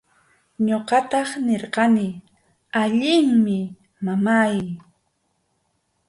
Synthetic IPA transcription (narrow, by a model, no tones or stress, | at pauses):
ɲoqɑt̪ɑχneɾqɑnɪ | aʎɪŋmɪ | mamaj